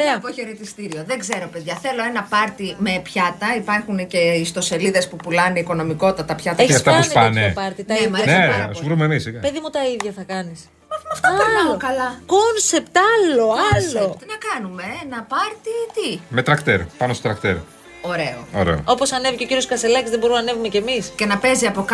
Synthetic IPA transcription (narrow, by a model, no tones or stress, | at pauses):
ɾeɐpoçeɾet̪ist̪iɾio̞ðe̞ɡze̞ɾo̞pe̞ðʝɐθe̞lo̞e̞nɐpɐɾt̪ime̞pçɐt̪ɐipɐɾxunece̞ist̪o̞se̞liðe̞spupulɐneiko̞no̞miko̞t̪ːɐt̪ɐpçɐt̪ɐeçeɐsft̪ɐusnɐnepɐɾt̪it̪ɐemɐnesuvɾumemisiɐpeðimut̪ɐiðʝɐθɐkɐnis | mɐmɐft̪oɐɐnokɐlɐkonsept̪ɐloɐlot̪inɐkɐnume̞enɐpɐɾt̪it̪ime̞t̪ɾɐkt̪e̞ɾpɐno̞st̪ot̪ɾɐkt̪eɾ | o̞ɾe̞oo̰ɾḛo̰o̞po̞sɐne̞viceo̞ciɾioskɐselɐcizðebo̞ɾumnɐne̞vumece̞misce̞nɐpe̞ziɐpo̞k